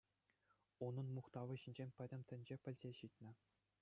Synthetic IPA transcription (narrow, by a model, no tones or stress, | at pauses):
unɤ̆nmuχt̪ɑʋɤ̆ɕinʲd͡ʑemʲpʲɘ̆dʲɘ̆mʲt̪ʲɘ̆nʲd͡ʑepʲɘ̆lʲzʲeɕit̪ʲnʲɘ̆